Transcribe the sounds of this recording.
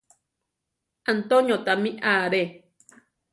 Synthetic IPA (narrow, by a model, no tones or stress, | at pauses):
ant̪oɲõt̪amĩʔaːɾe